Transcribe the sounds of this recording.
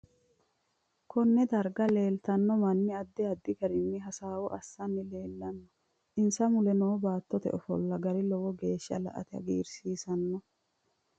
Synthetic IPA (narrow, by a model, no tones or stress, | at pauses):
kʰɔnːɛd̪ɐɾɡɐle̞ːlt̪ɐnːɔmɐnːɪɐd̪ːɛɐd̪ːɪɡɐɾɪnːɪɦɐsaːwɔʔɐsːɐnːɪle̞ːlːɐnːɔ̥ | ʔɪnsɐmʊlɛnoːbaːt̪ːɔt̪ɛ̰ʔɔfɔ̰lːɐɡɐɾɪlɔwɔɡeːʃːɐ̰lɐ̰ʔɐ̰t̪ɪɐ̰ɡḭːɾsiːsɐnːɔ